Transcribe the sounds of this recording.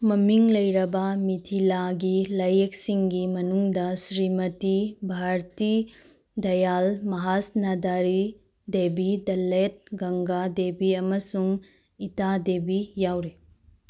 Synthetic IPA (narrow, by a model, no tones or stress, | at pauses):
mɐmiŋlɐjɾɐbɐmitʰilaɡilɐjek̚siŋɡimɐnuŋdɐsɾimɐtibʱaɾt̪i | d̪ɐjalmɐɦasnadaɾi | debidɐlet̚ɡɐŋɡadebiɐmɐsuŋ | itadebijawɾe